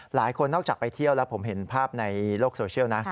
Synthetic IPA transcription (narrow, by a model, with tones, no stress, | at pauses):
laː˩˦jkʰo˧nːɔː˥˩k̚t͡ɕaː˨˩pa˧jt̪ʰi˥˩əwlɛ˦˥wpʰo˩˦mɦe˩˦npʰaː˥˩p̚na˧jloː˥˩k̚soː˧t͡ɕʰi˥˩əwna˦˥ʔ